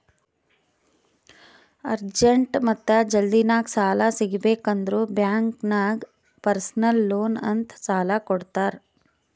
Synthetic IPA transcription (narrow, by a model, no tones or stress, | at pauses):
ɐɾd͡ʒeɳʈmɐt̪ːɐd͡ʒɐld̪inaːɡsaːlasiɡbeːkɐnd̪ɐɾuːbjaːŋknaːɡ | pɐɾsnɐlːoːnɐ̰nt̪ʰsaːlakɔɽt̪aːɾ